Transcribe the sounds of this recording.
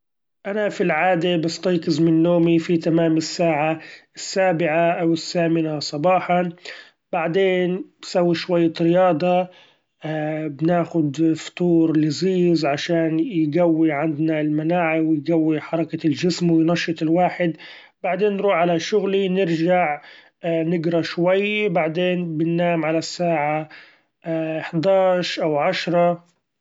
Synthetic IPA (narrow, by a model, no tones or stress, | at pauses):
ʔanafilʕaːd̪ebɪst̪ˤɑːqɪzmɪnːoːmifit̪amaːmɪsːaːʕaɪsːaːbɪʕaʔawɪsːaːmɪnasˤɑbɑːħɑ | b̥aʕd̪eːnsawːiʃwajːaɾɪjɑːd̪ˤɑ | bnaːxʊd̪ft̪ˤuːɾlɪziːzʕaʃaːnjɡawːiʕand̪nalmanaːʕawɪjɡawːiħɑɾˤɑkalʒɪsmwɪjnɑʃːɨt̪ˤɪlwaːħɪd̪ | b̥aʕd̪eːnːɾuːħʕalaʃʊɣlinɪɾʒaʕ | ʔnɪɡɾˤɑʃwajːbaʕd̪eːnbɪnːaːmʕalasːaːʕa | ħd̪ɑːʃʔawʕaʃɾˤɑ